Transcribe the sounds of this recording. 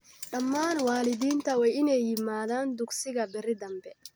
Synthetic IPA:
ɖɐmːaːnwaːlɪðiːnt̪ʰɐwɛjɪnɛjːɪmaːðaːnd̪ʊɡsɪɣɐbɪɾɪd̪ɐmbɛ

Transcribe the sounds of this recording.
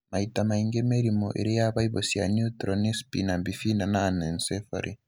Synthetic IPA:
maitamaiŋɡemeɾimoʔḛɾijaβaiβosija̰nut̪ɾɔnispinambifinanaːnɛnsɛfa̰ɾʔi

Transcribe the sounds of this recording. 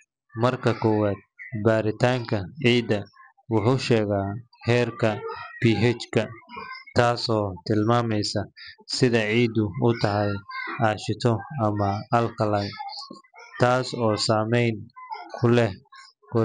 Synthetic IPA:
mɐrkʰɐkʰɔwaːd̪̥̚baːɾɪt̪ʰaːŋkʰɐʕiːd̪ɐ | wʊħuːʃɛːɣaː | hɛːrkʰɐpʰiːɦɛt͡ʃkʰɐt̪ʰaːsɔːt̪ʰɪlmaːmɛjsɐsɪðɐʕiːd̪ʊʊt̪ʰɐɦɛjaːʃɪt̪ʰɔɐmɐɐlkʰɐlɐ | t̪ʰaːsɔːsaːmɛjnkʰʊlɛh | kɔ

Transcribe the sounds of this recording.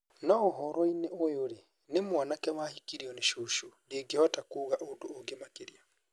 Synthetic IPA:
nɔoɦɔɾɔineojoɾe | nemwanakɛmahikiɾiɔneʃuʃundeɡeɔtakuɣaʔodoːɡemakeɾia

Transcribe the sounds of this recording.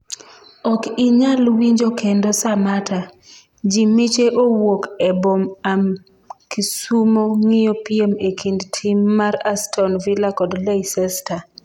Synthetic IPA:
ɔkiɲalwiɲd͡ʒokendosamata | d͡ʒimit͡ʃeʔowokɛbomam | kisumoŋijopiemekʰindtʰimːarastʰɔnvilakɔdleisɛsta

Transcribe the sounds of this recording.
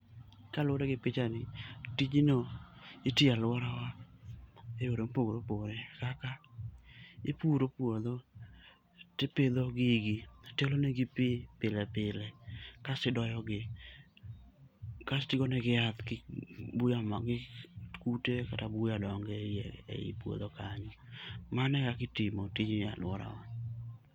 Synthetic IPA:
kalɔɾaɡɪpɪt͡ʃanɪtid͡ʒinoitealwɔɾawa | ejoɾoŋpoɡɾopoɾɛkaka | ɪpuɾopuod̪o | teped̪oɡɪɡiteloneɡipɪpɪlɛpɪlɛkasɪdɔjɔɡɪ | kastɪɡɔnɛɡɪat̪kɪbujamɡɪkutekatabujadɔŋɡɛjeḛḭpwo̰d̪okaɲɔmanɛkakɪtɪmɔtiɲa̰lwɔɾa̰ɔɲ

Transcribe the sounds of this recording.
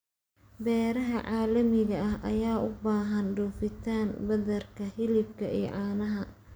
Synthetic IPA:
bɛːɾɐɦɐʕɑːlɐmɪɣɐɐhʔɐ̰jaːʔʊbaːɦɐnɖuːfɪt̪ʰaːnbɐðɐrkʰɐhɪlɪb̚kʰɐʔḭːʕɑːnɐɦɐ

